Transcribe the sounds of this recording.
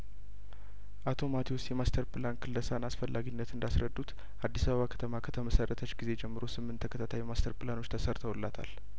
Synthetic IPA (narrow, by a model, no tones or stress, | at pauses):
ʔat̪ʰo̞mat̪ʰiwʊst̪jɛmast̪ʰəɾpɨlankʰɨlːəsanasfəlːaɡinːət̪ɨnd̪asɾəd̪ːut̪ | ʔad̪ːisaβəβakʰə̥t̪ʰəmakʰə̥t̪ʰəməsərʔət̪ʰət͡ʃːɡize̞d͡ʒɛmːɨɾo̞sɨmːɨnt̪ʰːəkət̪ʰat̪ʰajmast̪ʰəɾpɨlano̞t͡ʃːt̪ʰəsəɾt̪ʰəwɨlːat̪ʰa̰l